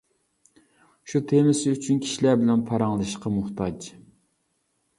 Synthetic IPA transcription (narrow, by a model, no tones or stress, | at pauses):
ʃut̪ʰemɪsyt͡ʃʰynkʲʰi̥ʃilæɾbɪlɛnpʰɑɾɑŋlˠɨʃqɑmʊχt̪ɑd͡ʒ